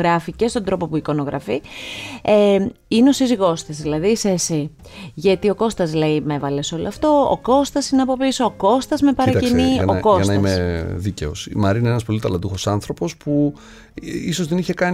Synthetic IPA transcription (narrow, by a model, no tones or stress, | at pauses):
ɾɐfice̞st̪o̞nd̪ɾo̞po̞puiko̞no̞ɣɾɐfi | eineo̞siziɣo̞st̪ɐzðilɐðisesi | ʝɐt̪io̞ko̞st̪ɐzleime̞vɐleso̞loɐft̪o̞o̰ko̞st̪ɐsineɐpo̞pisoːko̞st̪ɐzme̞pɐɾɐtɐcinioko̞ɐsnɐimeðice̞̰o̰sḭmɐɾinenɐspo̞lit̪ɐlɐd̪uxo̞sɐnθɾo̞po̞spu | iso̞zðe̞niçe̞kɐn